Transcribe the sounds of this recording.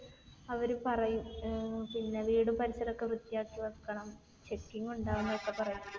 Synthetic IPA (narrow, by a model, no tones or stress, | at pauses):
ɐʋɐɾupɐrɐjumpinːeʋiːɽumpɐɾiɕɐɾɐkːeʋrɨt̪ːijaːkːiʋɐðkːɐɳɐm | t͡ɕe̞kːiŋɡuɳɖaːʋunːɐʋokːe̞pɐrɐjum